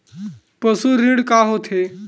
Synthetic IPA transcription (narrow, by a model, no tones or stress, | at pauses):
pəsuɾːiɽkaɦot̪ʰe